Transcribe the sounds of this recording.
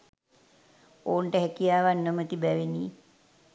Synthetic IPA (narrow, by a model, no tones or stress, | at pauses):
oːɳʈəɦækijaːʋanːəmət̪ibæʋeniː